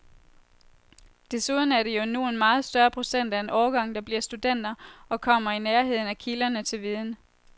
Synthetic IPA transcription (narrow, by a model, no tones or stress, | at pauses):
d̥e̝suð̞ˠn̩æɐɾ̥e̝jo̝nue̝nmɑ̈ːð̞̩ˠsd̥ɶɐpʰʁo̝sen̰d̥æenʔɒːɡ̥ɑ̈ŋ̰d̥ɑ̈b̥liɐ̰sd̥ud̥en̰d̥ɐɒ̽kʰɒ̽m̰ɐineɐɦe̝ð̰ˠn̩ækʰilɐnət͡sʰe̝lʋiːð̞ˠn̩